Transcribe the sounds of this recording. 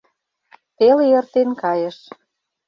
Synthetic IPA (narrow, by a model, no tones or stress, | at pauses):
t̪elĕrt̪enkɑjə̆ʃ